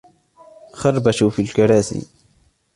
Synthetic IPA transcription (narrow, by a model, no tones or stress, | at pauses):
xɑrˤbaʃufilkaɾaːsḭ